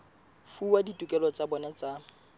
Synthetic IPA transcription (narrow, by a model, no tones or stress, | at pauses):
fuwaditʼukʼɛlɔt͡sʼabɔnat͡sʼa